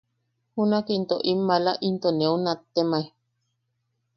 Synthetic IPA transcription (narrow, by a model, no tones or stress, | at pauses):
hunakint̪oʔimːalaʔint̪oneunat̪ːemai